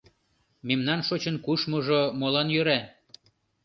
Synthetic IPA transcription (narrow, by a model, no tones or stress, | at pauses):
memnɑnʃot͡ɕənkuʃmoʒomolɑnjøɾæ